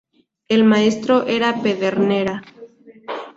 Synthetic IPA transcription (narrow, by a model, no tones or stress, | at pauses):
elmaest̪ɾo̞ʔeɾapeðeɾneɾa